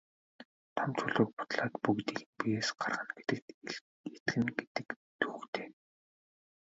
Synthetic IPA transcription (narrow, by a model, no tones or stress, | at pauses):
t̪ʰɔmt͡ɕʰɵɮoːk̚pʊ̥t̪ɮaːt̪pukt̪iːɣɘnpijeːsɢarʁə̆nɡe̥t̪ɘ̆k̚t̪ | et̪xɘ̆ŋɡet̪ɘ̆k | t̪uːkt̪ʰeː